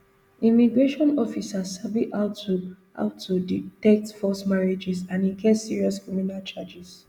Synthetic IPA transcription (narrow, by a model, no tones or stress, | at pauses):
ĩmiɡɹeʃɔ̃nɔfisasabiʔaʊtu | a̰ʊtʰːutɛk̚tfɔsmaɹid͡ʒɛsãnĩkʰɛsiɹiɔskɹiminalt͡ʃad͡ʒis